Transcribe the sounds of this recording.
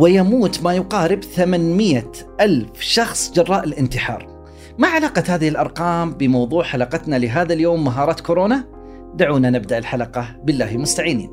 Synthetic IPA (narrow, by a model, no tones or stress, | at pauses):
wɪjamuːt̪majʊqɑːɾɪbθamanmɪjːa | ʔalfʃɑxsˤd͡ʒɑrˤːɑːʔɪlʔɪnt̪ɪħɑ̰ːɾˤ | maʕalaːqɑt̪haːðɪhɪlʔɑɾˤqɑːmbɪmɑwðˤuːʕħalɑqɑt̪nalɪɦaːðaljoːmːaɦɑːɾˤɑːt̪kʊɾoːna | d̪aʕuːnanɪb̚d̪aʔɪlħalɑqɑbɪlːaːhmʊst̪aʕiːnḭːn